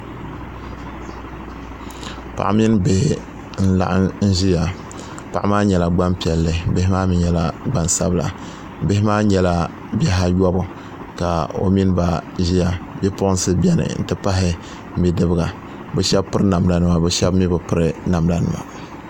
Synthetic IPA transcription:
pa̰˨ʔmi˦n˦be˨ | n̩˦la̰˦ʔa˦n̩˦ʒi˦ja˨ | pa˨ʔmaː˦ɲɛ˨la˨ɡ͡ba˦npi˨ɛ˨lːɨ˨be˦hɪ˦maː˦mi˨ɲɛ˦la˦ɡ͡ba˦nsa̰˦bla̰˨˦ | be˦hɪ˦maː˦ɲɛ˨la˦ | bɛ˦ɦa˦jɔ˦bʊ˨ | ka˨o̰˨mi˦n˦ba˦ʒi˦ja˨bɛ˦pʊ˦ʔʊ˦n˦sɨ˦bɛ˦nɨ̰˨n̩˦˨tɨ˦pa˦ɦɪ˦ | m̩˦bi˦dɨ˦bɨ˦ɡa˨ | bɛ˦ʃɛ˦bpɨ˦ɾɨ˦na˨m˦da˨nɨ˦ma˨bɛ˦ʃɛ˦bmi˦bɨ˨pɨ˦ɾɨ˦na˨m˨da˨nɨ̰˨ma̰˨

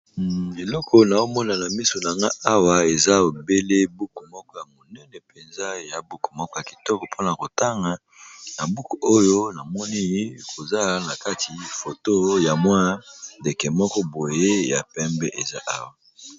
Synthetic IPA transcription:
e˨lɔ˦kʰɔ˦na˨o˦mɔ˦na˨na˨mi˦so˨na˨ŋɡa˦a˦wa˨e˨za˦o˨be˦le˦bu˦ku˨mɔ˦kɔ˦ja˨mo˨nɛ˦nɛ˨pe˨nza˦ja˨bu˦ku˨mɔ˦kɔ˦ja˨ki̥˨tɔ˦kɔ˨pʰo˦na˨ko˨ta˦ŋɡa˨ | na˨bu˦ku˨ʔo˦jo˦na˨mɔ˦ni˦e˦kʰo˨za˦na˨ka˦ti˨fo˨to˦ja˨mwa˦de˨kɛ˨mɔ˦kɔ˦bo˨je˦ja˨pɛ˦mbɛ˦ʔe˨za˦ʔa˦wa˨

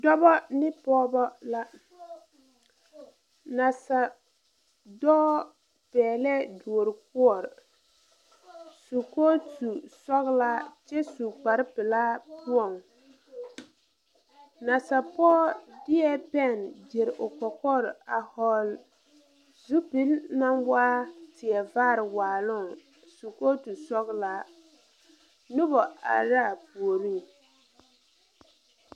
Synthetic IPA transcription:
dɔ˦bɔ˦nɪ˦pɔː˦bɔ˦la˦ | na˨sa˨ | dɔː˦ | pɛː˨lɛ˦du˨o˨ɾɪ˨k̚ʊ˦ɔ˨ɾ | su˨koː˦tu˨sɔ˦ɣla˦t͡ʃɛ˦su˨k͡pa˨ɾɪ˦pɪ˨laː˦pʰu˦ɔ˨ŋ | na˨sa˨pɔː˦dɪ˦ɛ˦pɛ˦˨nd͡ʒe˨ɾʔʊ˨kɔ˨kɔ˦ɾa˨hɔ˦l | zu˦pi˦lna˦nwaː˦tɪ˨ɛ˨vaː˦ɾɪ˨waː˨lʊ˦˨ | su˨ko˦tu˨sɔ˦ɣla˦ | nʊ˦bɔ˨a̰˨ɾa˦˨pu˨o˨ɾi˦˨

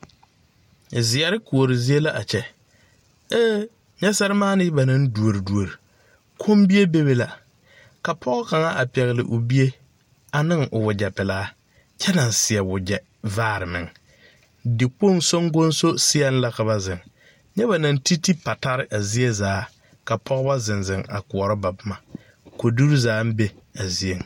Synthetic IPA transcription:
zɪ˨ɛ˨ɾɪ˦ku˨o˨ɾɪ˨zi˦e˦la˦ʔa˨t͡ʃɛ˦ | eː˦ | ɲɛ˦sɛ˦ɾɪ˦maː˦nɪ˦ba˨nã˦ndu˨o˨ɾi˨du˨o˨ɾi˨ | kʰo˦mbi˦e˦be˦be˦la˨ | ka˨pʰɔ˦ɣɔ˦ka˨ŋa˦ʔa˨pɛ˨ɣɪ˨lɪ̰˨ʔʊ˨bi˦e˦ | a˨nɪ˦ŋʔʊ˨wʊ˨d͡ʒɛ˨pɪ˨laː˦ | t͡ʃɛ˦na˨n˨sɪ˨ɛ˨wʊ˨d͡ʒɛ˨ | vaː˦˨ɾɪ˨mɪ̰˨ŋ | dɪ˨k͡po˦˨ŋso˦ŋɡo˦nso˦sɪ˦ɛ˦n˦la˦ka˨βa˦zɪ˨ŋ | ɲɛ˦βa˨na˨n˦ti˦ti˦pa˨ta˦ɾɪ˦ʔa˨zi˦e˦zaː˨˦ | ka˨pʰɔ˦ɣʊ˦ba˦zɪ˨nzɪ˨ŋa̰˨kʊ˨ɔ˨ɾɪ˦ba˨bʊ˦ma˨ | ko˨du˦ɾzaː˨˦n̩˦be˦a˨zi˦e˨ŋ˨

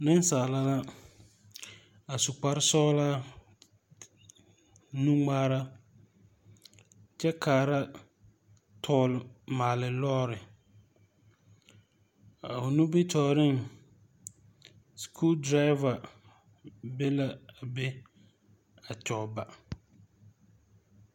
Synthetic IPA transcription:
nɪ˦n˦saː˨la˦la˦ | a˨su˨k͡pa˦ɾɪ˦sɔː˦la˦ | nu˦ŋ͡maː˦ɾa˦ | t͡ʃɛ˦kʰaː˨ɾa˦ | tʰɔː˦lɪ˨maː˨lɪ˨lɔː˦ɾɪ˨ | a˨ʊ˨nu˦bɪ˦tɔː˨ɾɪ˦ŋ | skʰu˦ldɾa˦ɪ˦va˨ | be˦la˦a˨be˦ | a˨t͡ʃɔ˨ba˨

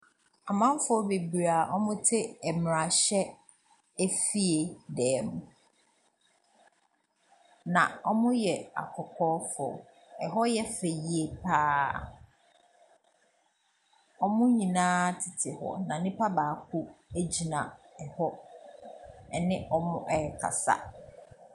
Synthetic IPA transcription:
a˨mã˦m˦fʊ˦ɔ˦be˨bi˨ɾa˨ʔɔ˦mʊ̃˦tʰɪ˦ɛ˨m˨ɾa˨ɕɛ˦ | æ˦fi˦e˨dɛː˨˦mʊ̃˨ | nã̰˨ɔ˦mʊ̃˦jɛ˨a̰˨kʰɔ˨kʰɔː˦fɔ̰˨ | ɛ˨ɦɔ˦jɛ˦fe˨ji˨e˨pʰaː˦ | ɔ˦mʊ̃˦ɲĩ˨nãː˦tʰɪ˨tʰɪ˨hɔ̰˨nã˨nɪ̃˦pʰa˦baː˨kʰu˦æ˦d͡ʑi˨nã˨ɛ˨hɔ˦ | ɛ˨nɪ̃˦ʔɔ˦mʊ̃˦ʔɛ˨kʰa̰˨sa̰˦

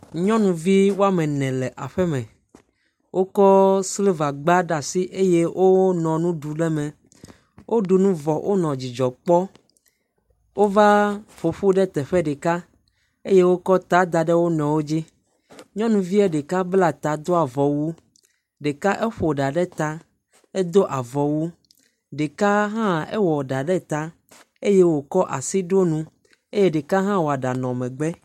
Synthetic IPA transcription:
ɲɔ̃˦nũ˨vi˦wo˦a˦mɛ̃˨nɛ̃˨lɛ˨ʔa˨ɸɛ˦mɛ̃˨ | wʔo˦kɔ˦sle˦va˨ɡ͡ba˦ɖa˨si˦ʔe˦je˦wʔo˦nɔ̃˨nũ˦ɖu˨ɖɛ˦mɛ̃˨ | wʔo˦ɖu˨nũ˦vɔ˨ʔo˦nɔ̃˨d͡ʑi˨d͡ʒɔ˨k͡pɔ˦ | wo˦va˦fo˨ɸu˦ɖɛ˦t̪ɛ˨ɸɛ˦ɖe˨ka˦ | e˦je˦wo˦kɔ˦t̪a˦d̪a˨ɖɛ˦wo˦nɔ̃˨wo˦d͡ʑi˦ | ɲɔ̃˦nũ˨vi˦ɛ˦ɖe˨ka˦bla˦t̪a˨d̪o˦a˨vɔ˨wu˦ | ɖe˨ka˦ʔɛ˦ɸo˨ɖa˨ɖɛ˦t̪a˦ | e˦d̪o˦ʔa˨vɔ˨wu˦ | ɖe˨ka˦ɦã˦ɛ̰˦wɔ˨ɖa˨ɖɛ˦t̪a˦ | e˦je˦wo˨kɔ˦ʔa̰˨si˦ɖo˦nũ˦ | e˦je˦ɖe˨ka˦ɦã˦wo˨a˨ɖa˨nɔ̃˨mɛ̃˨ɡ͡bɛ˦

